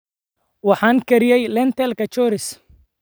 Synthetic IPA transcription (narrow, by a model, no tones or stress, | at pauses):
wɑħɑːŋkʰɐɾɪjɛjlɛnt̪ɛlkʰɐt͡ʃɔːɾɪs